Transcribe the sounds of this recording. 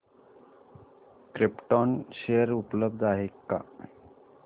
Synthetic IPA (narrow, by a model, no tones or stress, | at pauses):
kɾipʈɔnʃejəɾupləbd̪ʱaɦekːa̰